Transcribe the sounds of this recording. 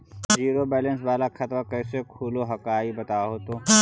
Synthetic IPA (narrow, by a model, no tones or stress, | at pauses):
d͡ʒiːɾobɛːlənsʋaːlakʰɐt̪makɛːsekʰuːloɦɐkaːibɐt̪aːɦot̪oː